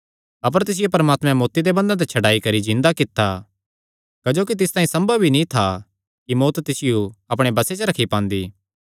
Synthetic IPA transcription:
ɐp̬əɾt̪ɪs̬ɪjopɐɾmaːt̪mɛ̃moːt̪ːid̪ebɐ̃nd̪ãt̪et͡ʃʰɐɖaːikɐɾid͡ʒɪ̃nd̪akɪt̪ːa | kɐd͡ʒoːkit̪ɪst̪aːĩsɐ̃mbəbʱinĩt̪ʰa | kimoːt̪t̪ɪsɪjoɐp̬ɽ̃ebɐset͡ʃəɾɐkʰipãːnd̪iː

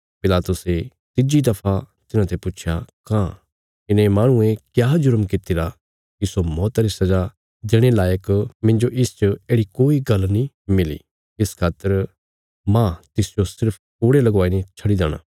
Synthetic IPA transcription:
pɪlaːt̪ʊse | t̪ɪd͡ʒid̪ɐpʰa | t̪ɪnãːt̪ʰɛpʊːt͡ʃʰja̰kãː | ɪnẽmaːɽ̃ʊ̃ẽkjaːd͡ʒʊɾmkɪt̪ɪɾa | kisomɔːt̪aɾisɐd͡ʒa | d͡ʒɪɽ̃elaːjəkmɪ̃nd͡ʒoʔɪst͡ʃəeːɽikoːiɡɐlni | mɪlḭː | ɪskʰaːt̪əɾ | mãt̪ɪsd͡ʒosɪɾpʰ | ʊːɽelɐɡʋaːinet͡ʃʰɐɽid̪aːɽ̃ã̰ː

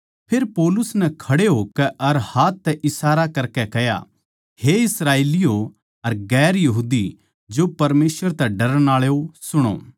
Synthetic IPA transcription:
pʰeːɾpɔːlʊsnɛkʰɐɽeɦoːkɛʔɐɾhaːt̪ːɛʔɪsaːɾakɐɾkɛkɛja̰ | heɪsɾaːeːlɪjo | ɐɾɡɛːɾjɐɦuːd̪i | d͡ʒopɐɾmeːsʋəɾt̪ɛɖɐɾə̃aːɭeosʊɽ̃o̰ː

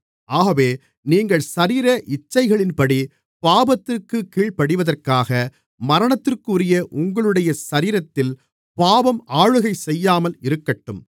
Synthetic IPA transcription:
ʔaːɣɐʋeː | niːŋɡɐɭsɐɾiːɾɐʔɪt͡ʃːɐɪɣɐɭɪnpɐɽi | paːbɐt̪ːɪrkɯkiːɭpɐɽɯʋɐðɐrkaːɣɐ | mɐɾɐɳɐt̪ːɪrkɯːɾɪjɐʔʊŋɡɐɭɯɽɐjɐsɐɾiːɾɐt̪ːɪl | paːbɐmʔaːɻɯɣɐɪsɛjːaːmɐlɪɾɯkːɐʈːɯm

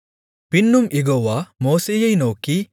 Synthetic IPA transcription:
pinːumʔiɡoʋɐmoːsejɐjnoːki

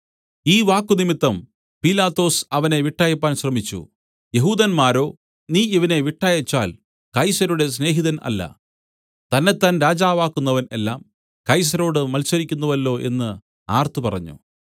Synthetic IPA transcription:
iːʋaːkːunimit̪ːɐm | pilaːt̪ːo̞ːsɐʋɐne̞ʋiʈːaːjɐpːaːnɕrɐmit͡ɕːṵ | je̞ɦuːd̪ɐnmaːɾo̞ː | niːiʋɐne̞ʋiʈːaːjɐt͡ɕːaːl | kɐjsɐɾuɽe̞s̬ne̞ːɦiðɐnɐ̰lːɐ̰ | t̪ɐnːe̞t̪ːaːnɾaːd͡ʑaːʋaːkːunːɐʋɐne̞lːaːm | kɐjs̬ɐɾo̞ːɽɨmɐlsɐɾikʲːunːɐʋɐlːo̞ːʔe̞̰nːɨ | aːrt̪ɨpɐrɐɲːṵ

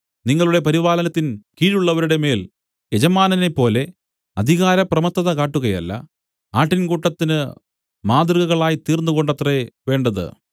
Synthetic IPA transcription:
niŋːɐɭuɽe̞pɐɾiʋaːlɐnɐt̪ːinkiːɾuɭːɐʋɐɾuɽe̞me̞ːl | ed͡ʑɐmaːnɐne̞pːo̞ːle̞ | ɐd̪ʱiɣaːɾɐprɐmɐt̪ːɐðɐkaːʈːuɣɐjɐ̰lːɐ̰ | aːʈːinkuːʈːɐt̪ːinɨ | maːd̪rɨɣɐɣɐɭaːjit̪iːrnːuɣo̞ɳɖɐt̪reʋe̞ːɳɖɐðɨ̰

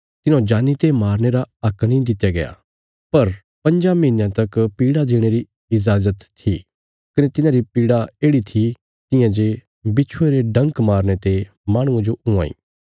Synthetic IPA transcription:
t̪ɪnõd͡ʒaːnit̪emaːɾñeɾaɐknĩd̪ɪt̪ːjaɡɐja̰ | pɐɾ | pɐ̃nd͡ʒamɪɦɪnjãt̪ɐkpiːɽad̪eːɽ̃eɾi | ɪzaːzət̪ʰːi | kɐnet̪ɪnãɾipiːɽaeːɽit̪ʰi | t̪ɪjãd͡ʒe | bɪt͡ʃʰueɾeɖɐ̃ŋkmaːɾñet̪e | maːɽ̃ʊ̃ãd͡ʒoʊã̰ːḭː

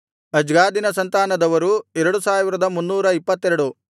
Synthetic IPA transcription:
ɐd͡ʒɡaːd̪inɐsɐnt̪aːnɐd̪ɐʋɐɾuɛɾɐɽusaːʋiɾɐd̪ɐmunːuːɾɐipːɐt̪ːɛɾɐɽu

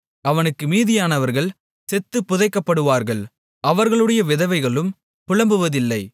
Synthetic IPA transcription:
ɐʋɐnɯkːɯmiːðɪjaːnɐʋɐɾɣɐɭ | sɛt̪ːɯpːʊðɐɪkːɐpːɐɽɯʋaːɾɣɐɭ | ʔɐʋɐɾɣɐɭɯɽɐjɐʋɪðɐʋɐɪɣɐɭɯm | pʊɻɐmbɯʋɐðɪlːɐɪ

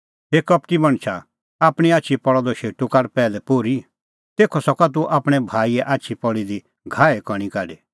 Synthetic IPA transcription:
ɦeːkɐpʈimɐ̃ɳ̃t͡ʃʰa | aːpɽ̃iaːt͡ʃʰipɔɭɔd̪ɔʃeːʈukaɾpɛːlɛpoːɾi | t̪eːkʰɔsɔkat̪̬uʔaːpɽ̃ɛbʱaːiɛʔaːtːt͡ʃʰipɔɭid̪i | ɡʱaːɛkɔɽ̃ĩkaːɖi

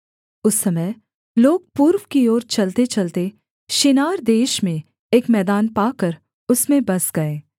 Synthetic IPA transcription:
ʊsːɐməj | loːɡ̚puːɾwkioːɾt͡ʃɐlt̪et͡ʃɐlt̪e | ʃɪnaːɾd̪eːʃmẽ | eːkmɛːd̪aːnpaːkəɾ | ʊsmẽbɐsɡɐeː

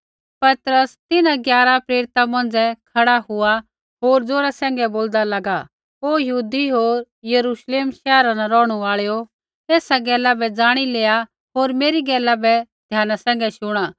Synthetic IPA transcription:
pɐt̪ɾəst̪ɪnãɡjaːɾapɾeːɾɪt̪amɐ̃nd͡zɛkʰɐɽaɦʊa | ɦoːɾd͡zoːɾasɛ̃ːŋ̆ɡɛboːld̪alɐɡa | ɦojɐɦuːd̪iɦoːɾ | jɐɾuːʃleːmʃɛːɾanaɾɔːɽ̃uaːɭjo | t̪ɛːsaɡɛːlabɛd͡zaːɽ̃ileːa | ɦoːɾmeːɾiɡɛːlabɛd̪ʱjaːnasɛ̃ːŋ̆ɡɛʃʊɽ̃aː

